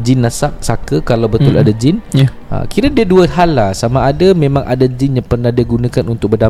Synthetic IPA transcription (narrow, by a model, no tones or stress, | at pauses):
d͡ʒinːasak̚sakəkalawbət̪ʊladad͡ʒɪn | ə̰kiɾədiəduəhalːasamaːdamẽmãŋʔa̰dad͡ʒɪnɲapərnahdiəɡunãkanunt̪ʊk̚bərda